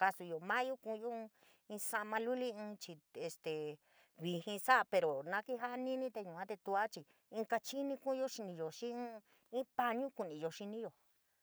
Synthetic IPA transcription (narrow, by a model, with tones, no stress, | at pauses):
ka˧su˧jo˨mã˦jo˦kũ˧jõ˦˧ | ĩ˧sa˧mã˧lu˦li˦ɨ̃ː˧t͡ʃi˧e˧st̪e˨ | βi˧hĩ˧sa˦˧pe˧ɾo˨nã˧ki˦ɦa˦ʔa˧nĩ˦nĩ˦t̪e˧ɲũ˨ã˦t̪e˧t̪u˧a˦t͡ʃi˧ | ĩ˧ka˧t͡ʃi˦nĩ˧kũ˦˧jo˦ʃi˧nĩ˧jo˨ʃĩ˦ | ĩ˦pa˧ɲũ˦ku˨nĩ˨jo˨ʃi˧nĩ˦jo˨